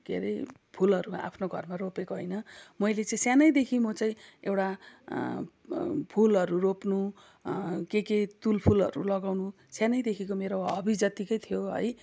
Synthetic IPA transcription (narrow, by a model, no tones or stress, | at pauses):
ɡʱḛɾʌjpʰulʌɾua̰pʰnoɡʱʌ̰rmaropekoɦʌjnʌmʌjlet͡sʌĩsjanʌjd̪ekʰimʌt͡sʌĩewʈa | pʰulɦʌɾuropnu | keket̪ulpʰulʌ̰ɾulʌɡawnu | sjanʌjd̪ekʰikomeɾowɦʌbid͡zʌt̪ikʌjt̪ʰijoɦʌ̰j